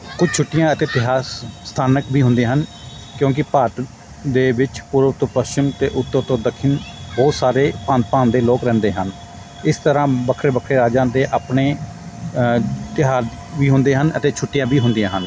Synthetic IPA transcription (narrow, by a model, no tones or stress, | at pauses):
kʊd͡ʒt͡ʃʰʊʈːɪjãːɪt̪eːt̪ɪɦaːst̪ʰaːnəkbʱiːɦʊ̃nd̪ẽaːɦən | kjõːk̬ɪpaːʈ | d̪eːʋɪt͡ʃpʊɾt̪õːpəst͡ʃɪmt̪eːʔʊt̪ːõːt̪õːd̪əkʰːɪnboːsaːɾeːpãːnt̪̚pãːnd̪eːloːkɾɛ̃ːnd̪eːɦən | ɪst̪əɾãːbəkʰɾeːbəkʰɾeːɾaːd͡ʒãːd̪eːʔaːpneː | t̪ɪɦaːɾ | ʋiːɦʊnd̪eːɦənət̪eːt͡ʃʰʊʈːɪjãːbiːɦʊ̃nd̪ijãːɦən